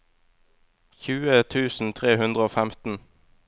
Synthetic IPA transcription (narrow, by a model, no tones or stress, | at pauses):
çʉːət̪ʰʉːsn̩t̪ʰʁeːhʉnd̪ʁəoːfæmt̪n̩